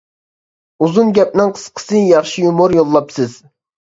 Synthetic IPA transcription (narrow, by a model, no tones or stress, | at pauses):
uzunɡʲɛp̚nɨŋqʰə̥sqʰə̥sɨjɑχʃijumuɾjolˠːɑpsɨz̥